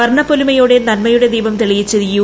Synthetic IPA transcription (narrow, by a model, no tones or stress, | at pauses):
ɐrɳɐpːolimɐjuɽe̞nɐnmɐjuɽe̞d̪iːbɐmt̪iɭijit͡ɕːɐðiju